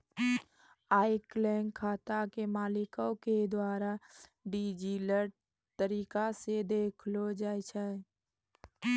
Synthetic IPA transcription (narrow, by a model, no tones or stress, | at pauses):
aːɪklɛːŋɡkʰaːt̪akemaːlɪkõked̪waːɾaɖiːd͡ʒilə | t̪əɾiːkased̪eːkʰlod͡ʒaːjt͡ʃʰaː